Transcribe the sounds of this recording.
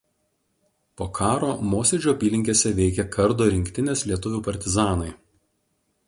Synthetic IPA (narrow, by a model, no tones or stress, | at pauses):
poːkʰɑːɾoːmoːsʲeːd͡ʒʲuːɐpʲiːlʲɪŋʲkʲeːsʲɛʋʲɛɪkʲɛkʰɐɾd̪oːɾʲɪŋʲkʲt̪ʲɪnʲeːslʲiɛt̪ʊʋʲuːpɐɾʲt̪ʲɪzɑːnɐɪ